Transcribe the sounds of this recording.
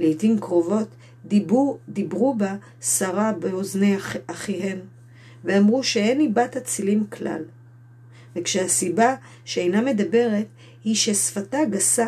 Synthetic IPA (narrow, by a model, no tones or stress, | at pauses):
lejtimkʁo̞vo̞t | d̪ibʁuba | saʁabeo̞zneaχiɦe̞m | veamʁuʃeenibathat͡silimkla̰l | vekʃehasiba | ʃeejname̞d̪abe̞ʁe̞t | hiʃe̞sfataɡasa